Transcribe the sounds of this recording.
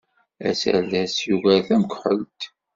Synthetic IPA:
æ̰sæ̰ðæsjuɣæθæməkħəlt̪

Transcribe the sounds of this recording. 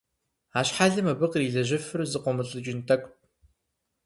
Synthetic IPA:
aːɕħaːɮɨmɐbɨqriːɮɐʑɪfɨrzɨqʷɔmɨɬʼɨt͡ʃʼɪntʰɐkʷʼt̚

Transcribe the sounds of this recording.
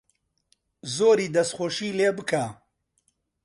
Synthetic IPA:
zoːɾiːd̪ɐsxoːʃiːleːbɨkʰaː

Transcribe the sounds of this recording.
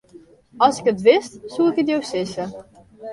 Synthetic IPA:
ɑlˠsɪkətʋɪstsuɪkətjowsɪsə

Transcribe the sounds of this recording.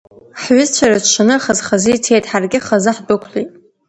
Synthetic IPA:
ħɥʊzt͡ɕʷʰaraʃanɨχazχazɨjtʰejtʼħarɡʲɪχazɨħdʊkʷʰlitʼ

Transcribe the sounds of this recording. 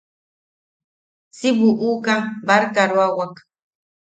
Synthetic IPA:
sɪbuʔukabaɾkaɾwawak

